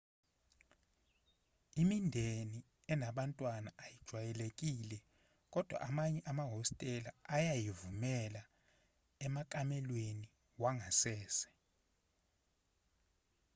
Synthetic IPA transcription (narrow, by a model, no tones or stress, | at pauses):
imindʱeni | ɛnaɓantʼwanaʔːjid̥ʒ̥ʱwajɛlekʼiːlɛ | kʼɔd̥ʱwa̰ʔamaɲɛʔamaɦɔstʼɛlaajajivumɛla | ɛmakʼamɛlweni | waŋɡʱasɛːsɛ̥